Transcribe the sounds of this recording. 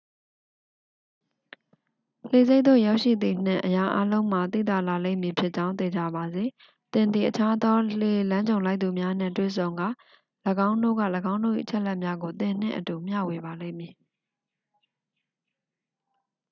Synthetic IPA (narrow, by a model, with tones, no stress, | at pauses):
le˨ze˦ɪt̪̚t̪o̰˦˨ja˦ʊʔʃḭ˦˨d̪i˨n̥ɪ̰̃˦˨ʔəja˦ʔa˦lõ˦ʊ̃m̥a˨t̪ḭ˦˨t̪a̰˦˨la˨lḛ̃˦ɪ˨mji˨pʰjɪ˦ʔt͡ɕã˦ʊ̃nt̪e˨d͡ʑa̰˦˨ba˨ze˨ | t̪ɪ̃˨nd̪ði˨ʔət͡ɕʰa˦d̪ɔ˦l̥e˨lã˦ɲd͡ʑõ˨ʊ̃la˦ɪʔt̪ːu˨mja˦n̥ɪ̰̃˦˨twḛ˦˨sʰõ˨ʊ̃ŋɡa̰˦˨ | ləɡã˦ʊ̃ndo̰˦˨ɡä̰˦˨ləɡã˦ʊ̃ndo̰˦˨ḭ˦˨ə˨t͡ɕʰɛ˦ʔlɛ˦ʔmja˦ɡo˨t̪ɪ̃˨n̥ɪ̰̃˦˨ʔətu˨m̥ja̰˦˨we˨ba˨lẽ˦˨mji˨